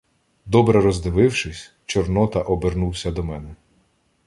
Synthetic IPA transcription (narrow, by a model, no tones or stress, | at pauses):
d̪ɔbɾɛɾɔzd̪ɪʋɪwʃɪsʲ | t͡ʃɔrnɔt̪ɐʔɔbernuwsʲɐd̪ɔmɛnɛ